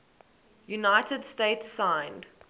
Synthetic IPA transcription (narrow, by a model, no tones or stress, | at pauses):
junaɪtədsteɪtsãɪ̃nd